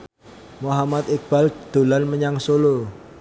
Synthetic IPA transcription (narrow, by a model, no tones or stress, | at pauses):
moɦamat̪ɪk̚b̥ald̪̥o̤lanməɲaŋsolo